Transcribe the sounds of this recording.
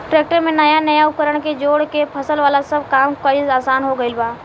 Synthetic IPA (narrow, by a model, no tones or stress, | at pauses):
ʈɾeːk̚ʈəɾmẽnɐjanɐjaʊkəɾəɽ̃ked͡ʒoːɽkepʰɐsəlʋaːlasəb̚ʱkaːmkoizaːsaːnɦoɡəɪlbaː